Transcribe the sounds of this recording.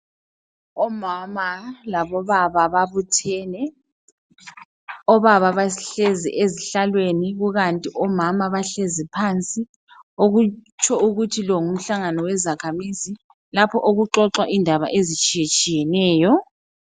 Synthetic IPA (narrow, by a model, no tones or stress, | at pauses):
ɔmamalaβɔβaβaβaβutʰɛːnɛ | ɔβaβaβaɬezḭʔeziɬalweniɣuɣantʼiʔɔmamaβaɬezipʰant͡sʼi | oɣut͡ʃʰʼɔuɣutʰilɔŋum̩ɬaŋanɔwɛzakʰamizi | lapʰɔʔoɣuǁɔǁwaʔindʱaβa̰ʔezit͡ʃʼijet͡ʃʼijɛnɛːjɔ